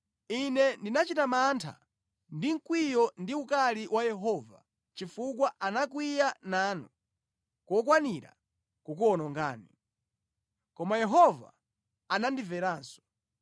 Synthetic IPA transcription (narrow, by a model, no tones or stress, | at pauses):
inɛndinat͡ʃitamantʰa̰ | ndiŋ̩kwijɔndiukaliwʔajɛɦɔːva | t͡ʃifukwaʔanakwijanaːnu | kɔkwaniɾa̰ | kukuɔnɔŋɡa̰ːni | kɔmajɛɦɔva̰ | anandivɛɾaːnsɔ̥